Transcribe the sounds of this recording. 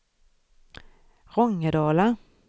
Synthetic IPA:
ʁɔŋːədɑːla

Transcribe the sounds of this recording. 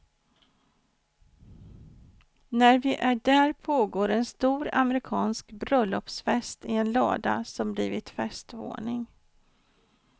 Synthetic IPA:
næɾvɪʔæɖæɾpʰoːɡoːɾɛnst̪uːɾa̰mɾɪkʰɑːnskbɾœlːɔpsfɛst̪ɪɛnlɑ̰ːd̪a̰sɔmbliːvɪt̪fɛst̪vo̰ːɳɪŋ

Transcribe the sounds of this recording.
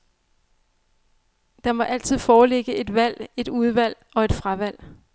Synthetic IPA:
d̥ɑ̈mɒ̽ʔæl̰t͡sʰið̞̰ˠfɒːle̝ɡ̥əe̝d̥ʋæl̰e̝d̥uð̞ˠʋæl̰ | ɒ̽e̝d̥fʁaʋæl̰

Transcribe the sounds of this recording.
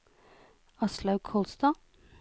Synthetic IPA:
ɑslɑʉkʰɔlst̪ɑː

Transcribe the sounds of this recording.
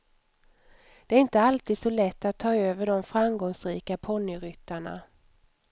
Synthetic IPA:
d̪̥ɛæɾɪnt̪əalt̪ʰiːd̪sɔlɛt̪ːat̪ʰːɑːøːvəɖɔmfɾamɡɔŋsɾiːkapʰɔnːʏɾʏt̪ːaɳa̰

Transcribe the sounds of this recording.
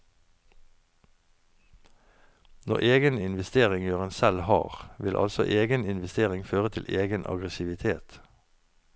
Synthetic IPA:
nɔ̰ʁʔeːɡənɪnʋɛst̪eːʁɪŋjøːʁənsɛlhɑ̰ːʁʋɪlʔɑ̰lsɔ̰ʔeːɡənɪnʋɛst̪eːʁɪŋføːʁət̪ʰɪlʔeːɡənʔɑ̰ɡʁɛsɪʋɪt̪ʰeːt̪

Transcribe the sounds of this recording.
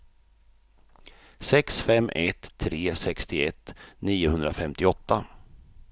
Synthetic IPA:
sɛksfɛmːʔɛ̰t̪ʰːɾeːsɛkst̪ɪɛt̪ːniːʊhɵnd̪ɾafɛmt̪ɪɔt̪ːa

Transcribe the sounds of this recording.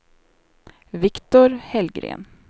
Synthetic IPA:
ʋɪkt̪ʊɾhɛlɡɾḛːn

